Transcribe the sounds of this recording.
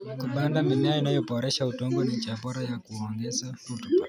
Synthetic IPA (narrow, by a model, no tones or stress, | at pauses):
kuɓandamimeainajobʱɔɾeʃautoŋɡɔned͡ʒaboɾajakuɔŋɡezautu